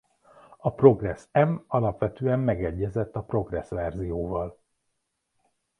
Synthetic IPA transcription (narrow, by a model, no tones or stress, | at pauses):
ɒpro̞ɡrɛsɛmɒlɒpʋɛt̪øːɛmːɛɡɛɟːɛzɛt̪ːɒpro̞ɡrɛsʋɛrzijoːvɒl